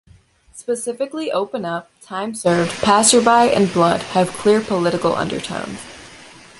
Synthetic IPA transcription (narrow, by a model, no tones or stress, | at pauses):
spɨsɪfɨkliʔoʊpɨ̃nʌp̚tʰãɪ̃msɜ˞v̥pʰæsə˞baɪʔɨ̰̃nblʌd̥̚ɨv̥kʰl̥ɪɹpʰəlɪɾɨkl̩ˠʔʌ̰̃ndə̰˞tʰõ̰ʊ̃nz̥